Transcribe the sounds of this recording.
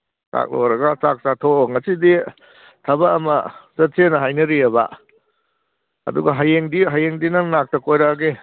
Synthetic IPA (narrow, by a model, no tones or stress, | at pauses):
sa̰k̚lo̰wɾɐɡasak̚satʰoŋɐsidi | tʰɐbaːmɐ̰sɐtʰenɐɦajnɐɾiɐba̰ | ɐ̰duɡɐɦajeŋdiɦajeŋdinɐŋnak̚tʰɐkojɾaɡe